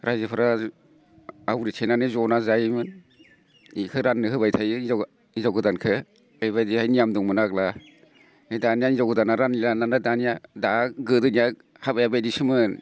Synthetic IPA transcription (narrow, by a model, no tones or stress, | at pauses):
ɾajzipʰɯɾa | awɾitʰenanɯzɔnazajmɯn | ikʰɯɾanːɯhɯbajtʰajɯz | izawɡɯdankʰɯ | ajβajdihajnijamduŋmɯnakla | ejdanijaizawɡɯdanaɾanilanlanadanijadaɡɯdɯnija | habajabajdisɯmɯn